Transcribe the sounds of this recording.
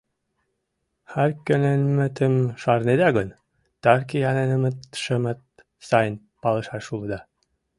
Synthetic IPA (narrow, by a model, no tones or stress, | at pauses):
xæɾkʲønenmə̆t̪əmʃɑɾned̪æɡən | t̪ɑɾkijɑnenəmə̆t̪ʃə̆mə̆t̪̚ | sɑjən | pɑlɤ̆ʃɑrʃulˠɤ̆d̪ɑ